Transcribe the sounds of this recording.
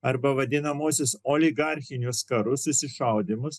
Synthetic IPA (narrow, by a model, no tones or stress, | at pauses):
ɐɾbɐʋɐd̪ʲɪnɐmoːsʲʊsoːlʲɪɡɑˑɾʲxʲɪnʲʊskɐɾʊsɪsʲɪʃɐʊd̪ʲɪmʊs